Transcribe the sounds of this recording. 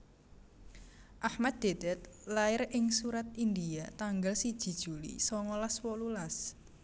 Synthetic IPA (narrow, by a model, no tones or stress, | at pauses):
ʔahmad̪̚d̪̥ed̪̥ɛt̪̚laɪrɪŋsuɾat̪̚ind̪iat̪aŋɡəlsid̥ʒ̥i̤d̥ʒ̥ṳlḭsɔŋɔlaswɔlulas